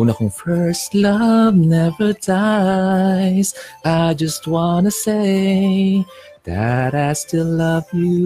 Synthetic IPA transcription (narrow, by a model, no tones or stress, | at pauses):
nɑχə̃nfɜ˞stˡlʌvnɛvə˞da | ɪz̥aɪd͡ʒʌst̚wɑ̃nɨseɪɪ | ðɨ̰ɾaɪstɪlllʌvjɨ